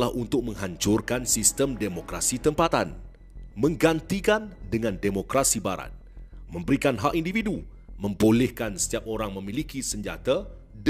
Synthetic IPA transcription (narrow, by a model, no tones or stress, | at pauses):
lahunt̪ʊk̚mə̃ŋɦaɲt͡ʃʊrkansist̪əmdemokɾasit̪əmpat̪an | mə̃ŋɡant̪ikandəŋãndemokɾasibaɾa̰t̪̚mə̃mbəɾikanɦaʔindividu | mə̃mbolɛhkansə̥t̪iap̚oɾaŋmə̃milikisəɲd͡ʒa̰t̪a | d